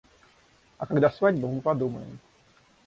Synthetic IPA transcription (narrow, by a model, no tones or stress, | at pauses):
ɐkaɡd̪asvadʲbəmpɐd̪umə̰jɪ̰m